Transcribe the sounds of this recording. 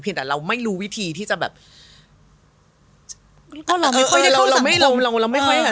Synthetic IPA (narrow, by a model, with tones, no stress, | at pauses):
pʰi˧nt̪ɛ˨˩ɾa˧wma˥˩jɾuː˦˥wi˦˥t̪ʰiː˧t̪ʰiː˥˩t͡ɕa˨˩bɛ̰ː˨˩p̚ | kɔː˥˩la˧ma˥˩kʰɔ˥˩˨la˧la˧wma˥˩jo˧˥la˧wɾa˧wma˥jkʰxʰɔ˥˩jh